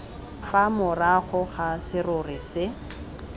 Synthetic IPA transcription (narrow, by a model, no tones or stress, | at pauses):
famʊraχʊχasɪrʊrɪsɪ